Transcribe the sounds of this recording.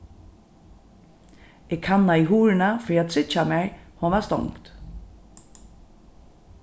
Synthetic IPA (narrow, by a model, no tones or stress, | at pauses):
ɪkhanːaiɦuːɹɪnafɾiːad̪sɪt͡ʃamɛjhɔnvast̪ɔ̰ŋkt̪